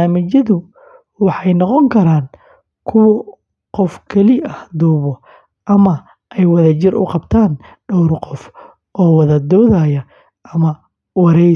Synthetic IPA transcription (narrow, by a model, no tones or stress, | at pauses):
aːmɪt͡ʃɐðʊ | wɑħɑjnɔqɔŋkʰɐɾaːn | kʰʊwɔ | qɔfkʰɐlɪʔɐhd̪uːβɔ | ʔɐmɐ | ʔɛjwɑðɐt͡ʃɪrʔʊ̰qɑbt̪ʰaːn | ɖɔwrqɔf | ʔɔːwɐðɐd̪ɔːðaːjɐ | ʔɐmɐ | wɑɾɛ